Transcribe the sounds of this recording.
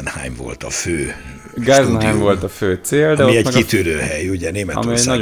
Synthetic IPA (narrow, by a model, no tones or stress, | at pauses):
nha̰jmvo̰lt̪ɒ̰føː | ɡajzɛnhajmvo̞lt̪ɒføːt̪seːld̪ɛomiɛmɛkit̪yɾøːhɛjuɟɛneːmɛɒ̰miɛnɒɟ